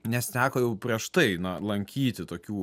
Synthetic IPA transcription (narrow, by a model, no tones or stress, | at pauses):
nʲɛst̪ʲæːkoːjɛʊpʲɾʲiɛʃt̪ɐɪnɐlˠɐŋʲkʲiːt̪ʲɪt̪oːkʲuː